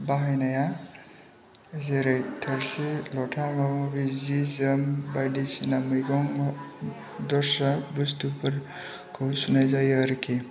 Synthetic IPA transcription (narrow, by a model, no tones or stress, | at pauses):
baɦajnaja | zeɾejtʰɐɾsilɔʈʰamamɔbizizəmbajdisinamɯjɡɔŋ | d̪ɔɾsabustupɯɾ | kʰɯwsunajzajɾikʰe